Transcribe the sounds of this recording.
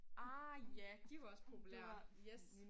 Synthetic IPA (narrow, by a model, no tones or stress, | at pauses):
ʔɑjæd̥iʋɑ̈ɒ̽spʰo̝pʰuleːɐjes